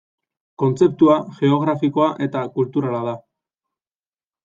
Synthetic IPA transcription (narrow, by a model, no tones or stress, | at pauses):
ko̞nt͡se̞p̚t̪uaʝe̞o̞ɣ̞ɾafiko̞aʔe̞t̪akult̪uɾalaða